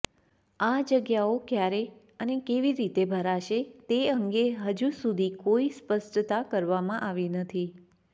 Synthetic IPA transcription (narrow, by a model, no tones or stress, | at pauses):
ad͡ʒəɡjaokjaɾe | ənekeʋiɾit̪ebʱəɾaʃet̪eəŋɡeɦəd͡ʒusud̪ʱikoispəsʈət̪akəɾʋamãʔaʋinət̪ʰi